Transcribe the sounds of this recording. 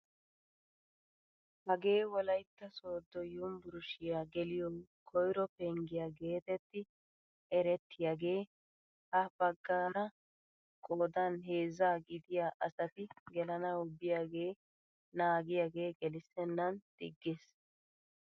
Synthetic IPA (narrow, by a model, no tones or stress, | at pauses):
hɐɡe̞ːwɔlɐjt̪ːɐso̞ːd̪ːɔjʊmbʊɾʊʃɪjaːɡɛlɪjɔkʰɔjɾɔpɛŋɡɪjaːɡe̞ːt̪ɛt̪ːɪ | ɛɾɛt̪ʰːɪjaːɡe̞ː | hɐb̥ɐɡːaːɾɐ | kʼoːd̪ɐnɦe̞ːzaːɡɪd̪ɪjaːʔɐsɐt̪ɪɡɛlɐnɐʊbːɪjaɡe̞ː | naːɡɪjaɡe̞ːɡɛlɪsɛnːɐnd̪̥ɪ̰ɡːes